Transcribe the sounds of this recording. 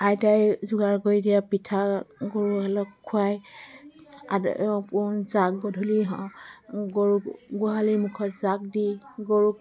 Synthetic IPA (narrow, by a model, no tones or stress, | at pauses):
ajtajzuɡaɹɡojdijapitʰaɡɔɹualɔkkʰːuaj | a̰d̰pɔnzak̚ɡɔdʱuliɦɔɡɔɹuɡuɦalimukʰɔtzak̚diɡoɹuk̚